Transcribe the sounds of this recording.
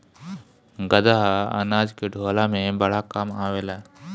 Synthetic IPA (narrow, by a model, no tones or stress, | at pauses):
ɡəd̪aɦaa̰naːd͡ʒkeɖʱoːlaːmẽbəɽ̤akamaːʋeːlaːɦe